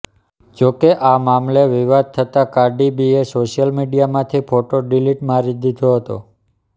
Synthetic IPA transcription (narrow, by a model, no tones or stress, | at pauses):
d͡ʒokeʔamamleʋiʋad̪̚t̪ʰət̪akaɾɖibiesoʃijəlmiɖijamãt̪ʰipʰoʈoɖiliʈmãɾid̪ʱit̪oɦət̪o̰